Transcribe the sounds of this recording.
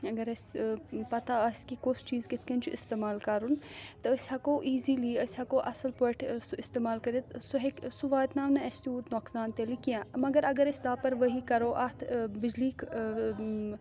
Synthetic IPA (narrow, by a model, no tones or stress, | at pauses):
ɐɡɐɾɐsʲpɐt̪aɐsʲkikost͡ʃiːzkɪt̪ʰkɐnt͡ʃʰuɪst̪eːmaːlkɐɾunt̪ɐəsʲhɐkoːʔiːziːliːəsʲhɐkoːʔɐsɐlpəʈʰsuɪst̪eːmaːlkɐɾet̪suɦeksuʋaːt̪naːmnɐɐsʲt̪uːt̪noːksaːnt̪elikijãːmɐɡɐɾɐɡɐɾɐsʲlaːpɐɾʋɐɦikɐɾoːʔɐt̪ʰbɪd͡ʒliːk